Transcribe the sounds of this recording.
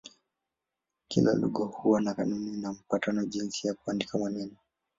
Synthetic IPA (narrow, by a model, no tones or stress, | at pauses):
kila̰lṵɠɔhuanakanuninam̩patanɔʄinsijakuandikamwɛnɛnɔ